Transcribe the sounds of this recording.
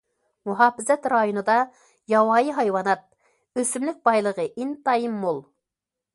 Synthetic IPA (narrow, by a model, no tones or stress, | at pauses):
muɦɑːpɪzɛt̪ɾɑjonɨd̪ɑ | jɑwɑːjiɦɑjwɑnɑt̪̚ | øsymlɪk̚ʲbɑjlˠəʁəʔint̪ɑjimːolˠ